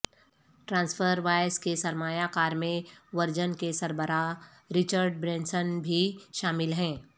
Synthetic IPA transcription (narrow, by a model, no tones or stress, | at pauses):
ʈɾãːnsfʰəɾʋaːjskesɐɾmaːjakaːɾmẽʋɐɾd͡ʒənkesɐɾbəɾa | ɾɪt͡ʃəɾɖbɾɛ̃ːnsənbʱiʃaːmɪlɦɛ̃ː